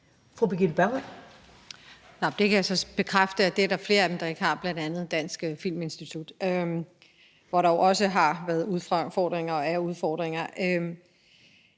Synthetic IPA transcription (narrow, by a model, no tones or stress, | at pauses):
fʁub̥iɡilb̥æɐmæn | nɑd̥e̝kʰæjäsɒ̽b̥e̝kʰʁafd̥əæd̥e̝æɐɾ̥ɑfle̝ːɐæd̥em̩d̥ɑ̈e̝ɡəhɑ̈b̥lænd̥ænð̞̩ˠd̥æn̰sɡ̥fil̰me̝nsd̥it͡sʰud̥ø | ʋɒɾɑjoʊʔɒ̽səɦɑ̈ʋæːɐðˠuðˠffɒːd̥ʁeŋɐɒ̽æɐuð̞ˠfɒːd̥ʁeŋɐʔø